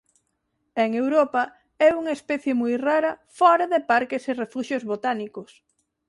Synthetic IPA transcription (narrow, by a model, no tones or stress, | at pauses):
eŋewɾopɐ | ɛuŋɐespɛθjemujraɾɐfɔɾɐðepaɾkeserefuʃjozβot̪anikos